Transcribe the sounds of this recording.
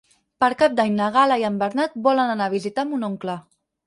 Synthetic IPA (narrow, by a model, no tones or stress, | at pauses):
pəɾkap̚d̪aɲnəɣ̞alaiəmbəɾnat̪̚bɔlənanaβ̞izit̪amunoŋklə